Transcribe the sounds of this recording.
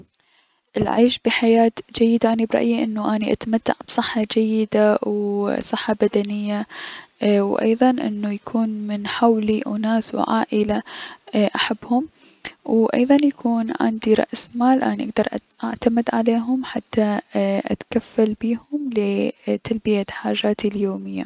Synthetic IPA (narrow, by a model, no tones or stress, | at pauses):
ʔɪlʕiːʃbiħajaːt̪d͡ʒajːɪd̪aʔaːnibɾɑ̰ʔjiʔɪnːuʔaːniʔa̰t̪mat̪ːa̰ʕb̥sˤɨħːɑd͡ʒajːɪd̪awsˤɨħːɑbad̪anɪjːa | wʔɑ̰jðˤɑnʔɪ̰nːujakʰuːnmɪnħawliʔʊ̰naːsw̰ʕa̰ːʔɪlaʔaħabːhʊm | wʔɑ̰jðˤɑnjakʰuːnʕa̰nd̪iɾˤɑ̰ʔsmaːlʔa̰ːniʔaɡd̪ɑɾˤʔʔaʕt̪amɪd̪ʕaleːɦʊmħat̪ːaʔa̰t̪kafːalbiːhʊmlɪt̪albɪjaħaːʒaːt̪iljoːmɪjːa̰